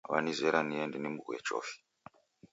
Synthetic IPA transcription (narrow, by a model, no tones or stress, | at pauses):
ʋanizeɾanijendinimukwḛt͡ʃo̰fi̥